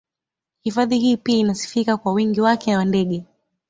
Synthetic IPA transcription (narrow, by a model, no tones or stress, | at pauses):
hifaðihiːpiainasi̥fikakwawiŋɡiwakɛnawandɛɠɛ